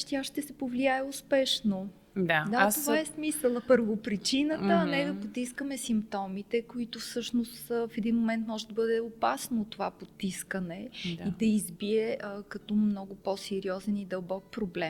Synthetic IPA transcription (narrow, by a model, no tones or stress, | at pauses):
ʃt̪iaʃt̪ɛsɛpovliaɛʊspɛʃno | d̪ad̪at̪ovaɛsmisəlˠɐpəɾvopɾit͡ʃinət̪əːnɛd̪ɐpot̪iskəmɛsimpt̪ɔmit̪ɛkoit̪ʊfsɤʃnost̪fɛd̪inmomɛnt̪mɔʒɛd̪ɐbɤd̪ɛopasnot̪ːovapot̪iskənɛd̪id̪ɐizbiɛkɐt̪ɔmnɔɡʊpɔsɛɾiɔzɛnid̪ɐlˠbɔk̚pɾoblɛm